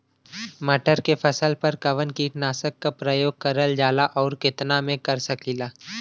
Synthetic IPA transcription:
mɐʈəɾkefʰɐsəlpɐɾkɐʋənkinaːsəkːapɾəjoːɡ̚kɐɾəld͡ʒaːlaʔɔːɾkɪt̪namẽkɐɾsəklilaː

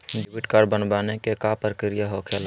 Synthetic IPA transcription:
ɖɪbɪʈkaːɾbənbaːnekekaːpəɾkɪɾijaɦoːkʰjaːl

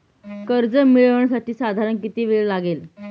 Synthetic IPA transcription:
kəɾd͡zəmiɭʋəɳsaʈiːsad̪ʱaɾəɳkit̪iːʋeɭlaɡel

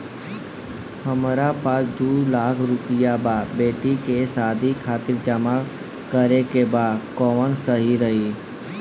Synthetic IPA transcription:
həmɾapaːsd̪uːlaːkʰɾʊpɪjababeːʈikesaːd̪ʱikʰaːt̪ɪɾd͡ʒama | kəɾekebaːkɔːʋənsəɦiɾəɦi

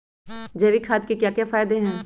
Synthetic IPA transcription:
d͡ʒɛːʋikʰaːt̪kekjaːkjaːfaːjd̪eɦɛ̃ː

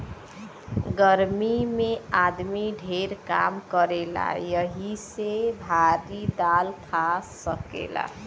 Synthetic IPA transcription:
ɡəɾmimead̪miɖʱeɾka̰mkəɾela̰jʌɦisebʱaɾid̪alkʰasəkḛla̰

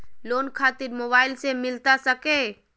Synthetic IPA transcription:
loːnkʰaːt̪ɪɾmoːbaːɪlsemɪlt̪asəke

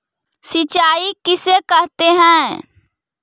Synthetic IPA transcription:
sɪt͡ʃaːikɪsekəɦt̪eɦɛ̃

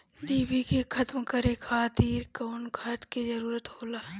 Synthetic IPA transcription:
d̪iːbikekʰɐt̪mkɐɾekʰaːt̪iːɾkɐːnkʰat̪kizɐɾuːɾət̪hoːlaː

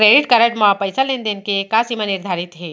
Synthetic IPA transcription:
ɾeɖiʈkəɾəʈmapəjsəlend̪enkekasimaniɾd̪ʱaɾit̪ɦe

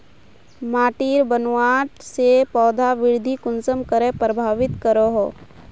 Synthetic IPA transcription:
maːʈiːɾbənwaːʈsepɔːd̪ʱaʋɪɾd̪ʱikʊnsəmkəɾepɾəbʱaːʋɪt̪kəɾoɦoː

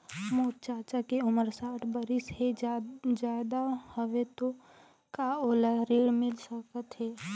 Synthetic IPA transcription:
moːt̪̚t͡ʃaːt͡ʃakeʊməɾsaːʈʰbəɾɪsɦed͡ʒjaːd̪ahəʋet̪o | kaoːlaɾiːɽmɪlsəkət̪ɦeː

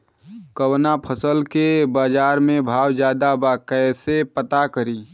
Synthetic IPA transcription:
kəwnapʰəsəlkebaːd͡ʒaːɾmẽbʱaːwd͡ʒjaːd̪abakɛːsepət̪akəɾiː

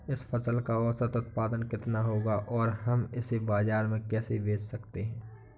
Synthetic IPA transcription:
ɪsfʰɐsəlkaɔːsət̪ʊt̪̚paːd̪ənkɪt̪naɦoːɡaʔɔːɾɦɐmɪsebaːzaːɾmẽkɛːsebeːd͡ʒsɐkt̪eɦɛ̃ː

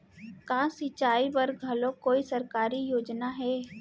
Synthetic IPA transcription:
kãːsɪt͡ʃaːibɐɾɡʱɐlõkoːisɐɾkaːɾijoːd͡ʒnaɦɛː

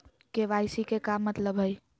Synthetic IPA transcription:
keʋaɪsikekamːət̪ləbɦəj

